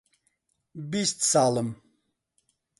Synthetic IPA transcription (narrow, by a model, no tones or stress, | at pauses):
bist̪saːləm